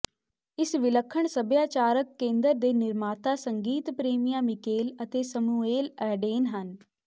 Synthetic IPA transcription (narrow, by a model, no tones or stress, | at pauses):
ɪsʋɪləkʰːəɳsəbjaːt͡ʃaːɾəkːẽːnd̪əɾd̪eːnɪɾmaːt̪aːsəŋɡiːt̪pɾeːmijaːmɪkeːlət̪eːsəmueːlɛːɖeːnɦən